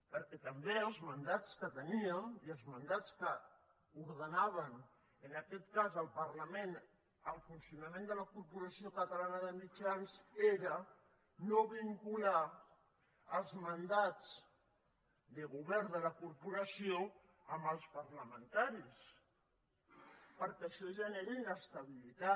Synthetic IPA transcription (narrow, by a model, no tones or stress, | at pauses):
pəɾkɛt̪əmbeəlˠzmənd̪at͡skət̪əniəniəlˠzmənd̪at͡skə | uɾðənaβ̞ən | ənəkɛt̪kazəlˠpəɾləmẽn | əlˠfunsiunəmẽnd̪ələkuɾpuɾəsiokət̪əlanəðəmid͡ʒanseɾə | noβiŋkula | əlˠzmənd̪ad͡z | d̪əɣuβɛɾd̪ələkuɾpuɾəsio | əmbəlˠspəɾləmənt̪aɾis | pəɾkɛʃɔʒəneɾinəst̪əβilit̪a